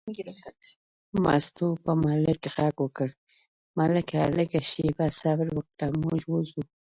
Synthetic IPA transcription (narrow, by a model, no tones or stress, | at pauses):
ma̰st̪upəmaləkeɣaɡwəkəɽ | maləka̰ləkaʃebasabɾwək̚t̪amoʒwuzu